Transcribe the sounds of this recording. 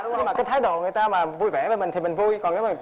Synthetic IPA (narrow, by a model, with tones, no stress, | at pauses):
e˧˨˦waː˨˩kaː˨˦jt̪ʰaː˨˦jɗo̰˧˨ŋɨ˨˩əjt̪aː˧maː˨˩vu˧jvɛ̰˧˩veː˧˩mï˨˩ŋ̟t̪i˨˩mï˨˩ŋ̟vu˧jkɔ˨˩ne˨˦wma˨˩